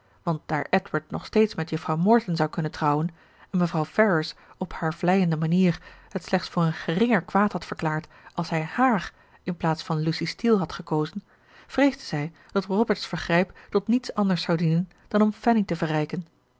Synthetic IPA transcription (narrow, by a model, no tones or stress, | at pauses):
ʋɑnt̚d̥aːɹʔɛtwəɹt̚nɔ̰χstejtsmɛtjɵfrɑwmɔɹtənzɑwkɵnəntrɑwən | ɛnməvrɑwfɛɹəsɔphaːɹvlɛjəndəmaniːɹhətslɛχtsfʊːrənχərɪŋəɹkʋaːthɑtfəɹklaːɹt | ʔɑlˠsɦɛjhaːr | ɪnplaːtsfɑnlusistilˠɦɑtχəkowzən | v̥rejzdəz̥ɛj | d̥ɑtrɔbəɹtsfəɹχrɛjptɔtnitsɑndəɹsɑwdinən | d̥ɑnɔmfɛnitəvərɛjkən